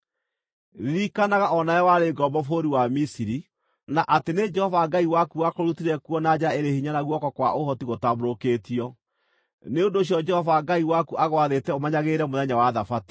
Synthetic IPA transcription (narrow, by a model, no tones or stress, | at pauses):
ðikanaɣaʔɔnajɔwaɾeɡɔbɔfoɾiwamisiɾi | naʔatened͡ʒɛhɔvaɡaiwakuakoɾutiɾɛkuɔnad͡ʒaeɾehiɲanaɣwɔkɔkwaʔohɔtiɣotaboɾokeːtiɔ | neondoːɕ̬iɔd͡ʒɛhɔvaɡaiwakuʔaɣwaðetɛomaɲaɣeɾɛmoðɛɲawaðafati̥